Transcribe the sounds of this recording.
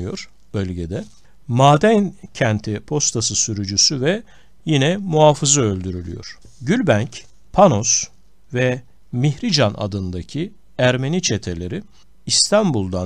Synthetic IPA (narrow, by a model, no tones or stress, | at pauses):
jo̞ɾ̥ | b̥ølʲɟed̪ɛ | maːd̪æncʰænt̪ʰipʰo̞st̪ʰasɯsyɾyd͡ʒysyvɛ | jinɛmuɦaːfɯzɯølʲd̪yɾylʲy̰jo̞̰ɾ̥ | ɟylʲbænc | pʰano̞s | vɛ | miçɾid͡ʒanʔa̰d̪ɯnd̪acʰi | æɾme̞nit͡ʃʰe̞t̪ʰe̞lʲe̞ɾi | ist̪ʰanbulˠd̪a